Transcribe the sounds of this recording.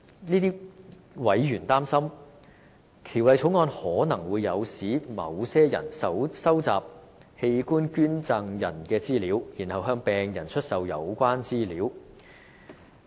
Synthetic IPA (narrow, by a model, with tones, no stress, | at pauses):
niː˥t̪iː˥ | wɐ˨˥jjyː˨˩nt̪aː˥msɐ˥m | kʰiː˨˩wlɐ˨˧jt͡ʃʰo˨˥wŋɔː˧nhɔː˨˥nɐ˨˩ŋwuː˨˧jːɐ˨˧wsiː˨˥mɐ̰˨˧wsɛː˥jɐ̰˨˩nsɐ˧wsɐ˥wt͡sa̰ː˨p̚ | he˧jkuː˥nkyː˥nt͡sɐ˧ŋjɐ̰˨˩nkɛː˧t͡siː˥liː˨˥wjiː˨˩nhɐ˨wɦœː˧ŋpɛː˨ŋjɐ˨˩nt͡ʃʰɵ˥t̚sɐ˨wjɐ̰˨˧wkʷaː˥nt͡siː˥liː˨˥w